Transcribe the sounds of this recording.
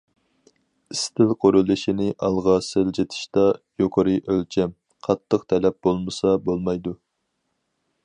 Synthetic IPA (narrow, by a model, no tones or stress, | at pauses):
ist̪ʰɪlqʰoɾulˠɨʃinɪʔɑlˠʁɑsɪld͡ʒet̪ʰɪ̥ʃt̪ɑjoqʰəɾɨʔølt͡ʃʰɛm | qʰɑt̪ʰːəqt̪ʰɛlɛp̚bolˠmɨsɑbolˠmɑjd̪u